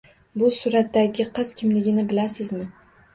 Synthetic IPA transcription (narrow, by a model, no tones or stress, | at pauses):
bʊsʊɾat̪ːaɡʲɪqʰɨz̥kʲʰɪmlɪɡʲɪnɪbɪlasɪzmɪ